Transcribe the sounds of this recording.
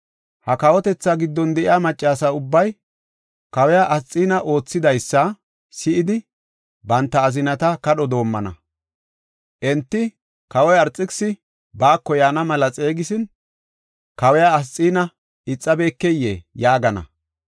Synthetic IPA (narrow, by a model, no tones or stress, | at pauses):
hɐkɐwɔt̪ɛt͡sːaːɡɪd̪ːɔnd̪ɛʔɪjaːmɐt͡ʃʼːaːsaʊbːɐj | kɐwɛjaʔɐst͡sʼːiːnɐʔo̞ːt͡sːɪd̪ɐjsːɐ | sɪʔɪd̪ɪ | bɐnt̪ːɐːzɪnɐt̪ɐkɐɗɔd̪o̞ːmːɐnɐ̰ | ʔɛnt̪ːɪ | kɐwɔjɐɾt͡sʼːɪksɪ | baːkːɔjaːnɐmɐlɐt͡sʼe̞ːɡɪsɪn | kɐwɛjaɐst͡sʼːiːnɐ | ɪt͡sʼːɐbe̞ːkːɛjːejaːɡɐnɐ̰